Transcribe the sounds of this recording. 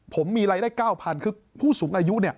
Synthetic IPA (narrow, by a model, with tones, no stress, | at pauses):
pʰo˩˦mːiː˧ɾaː˧jdaː˥˩jkaː˥˩wpʰa˧nkʰɯː˧ | pʰuː˥˩suː˩˦ŋʔaː˧ju˦˥ʔni˥˩ɐ